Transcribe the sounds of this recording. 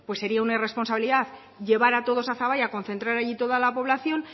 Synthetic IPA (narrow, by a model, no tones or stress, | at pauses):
pwesːe̞ɾiaunare̞spo̞nsaβiliðaθ | ʝe̞βaɾat̪o̞ð̞o̞saθaβajako̞nθe̞nt̪ɾaɾaʎit̪o̞ðalapo̞βlaθjo̞n